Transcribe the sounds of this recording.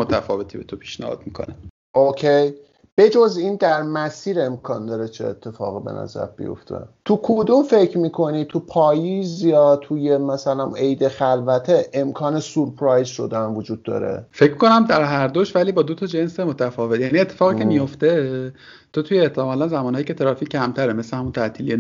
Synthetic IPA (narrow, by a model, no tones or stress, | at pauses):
mot̪ʰæfɒ̰ːve̞t̪ʰibet̪ʰopʰi̥ːʃnæ̰hɒ̰ːd̪̚mikʰo̰ne | ʔocʰej | b̥e̞d͡ʒoziːnd̪æɾmæsiːɾe̞mkʰɒːnd̪ɒːɾet͡ʃʰeːt̪ʰːe̞fɒ̰ːɣibe̞̰nʔæ̰zæ̰ɾbḭjo̞̰ft̪ʰe̞̰t̪ʰukʰod̪umfecʰɾmiːkʰo̞nit̪ʰupʰɒːjizjɒːt̪ʰuje̞mæsælæmejd̪e̞xælvæt̪ʰeʔemkʰɒːne̞suɾpʰɾɒjzʃo̞d̪ænvod͡ʒuːd̪̚ːɒ̰ːɾe̞̰feckonæmd̪æɾɦæɾd̪oʃvæliːbɒːd̪ot̪ʰɒːd͡ʒensemot̪ʰæfɒːvet̪jæniet̪ʰːefɒːɣicʰemijo̞ft̪e | t̪ʰot̪ʰujeːt̪ʰːemɒːlænzæmɒːnhːjicʰʲet̪ʰeɾɒːficʰːæmt̪ʰæɾeme̞sehæmunt̪ʰæʔt̪ʰiːlije